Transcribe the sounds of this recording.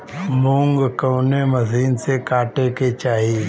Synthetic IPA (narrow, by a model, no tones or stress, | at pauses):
mũŋɡkəːneməsiːnsekaːʈeket͡ʃaːɦi